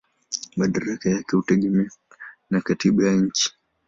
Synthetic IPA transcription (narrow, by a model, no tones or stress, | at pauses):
maɗaɾakajakɛhutɛɠɛmɛ | nakatiɓajaɲ̩t͡ʃi̥